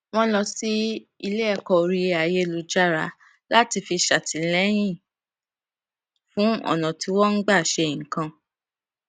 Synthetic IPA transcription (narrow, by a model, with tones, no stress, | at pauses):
w̃ɔ̃˦lɔ˧si˦i˧le˦ɛ˦˨kɔ˨ɾi˧a˨je˦lu˨˧˦d͡ʒa˦ɾa˧˦ | la˦ti˧fi˧ʃa˨tʰi˨lɛ˦j̃ĩ˦˨ | fũ˦ɔ̰˦˨nã˨ti˨˧˦wɔ̃˦n̩˦ɡ͡ba˦˨ʃɛ˧˨ŋ̩˨kã˧